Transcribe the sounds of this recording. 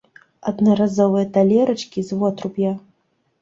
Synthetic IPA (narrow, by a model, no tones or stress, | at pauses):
ɐd̪nɐɾazɔvɨjɐt̪alʲɛɾɐt͡ʂkʲizvɔt̪ɾupʲja